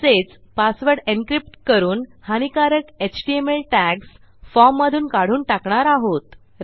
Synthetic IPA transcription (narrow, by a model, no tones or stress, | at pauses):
set͡s | pasʋəɾɽenkɾip̚ʈkəɾuːnhanikaɾəket͡ɕʈiemelʈæks | fɔmːəd̪ʱuːnkaɽ̤uːnʈakɳ̃aɾaɦot̪